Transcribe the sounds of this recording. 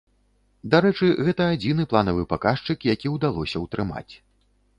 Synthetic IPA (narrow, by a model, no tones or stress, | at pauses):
d̪aɾɛt͡ʂɨɣɛt̪ɐːd͡zʲinɨplˠanɐvɨpakaʂt͡ʂɨkjakʲiwd̪alˠɔsʲɐwt̪ɾɨma̰t͡sʲ